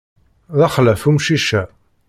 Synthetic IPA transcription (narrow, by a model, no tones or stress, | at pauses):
ðæχlæfumʃiʃæ